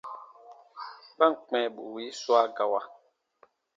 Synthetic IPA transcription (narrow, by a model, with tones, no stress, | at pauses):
pa˦ŋk͡pɛ˨ɓu˨wi˨˦swa˦ɡa˨wa˨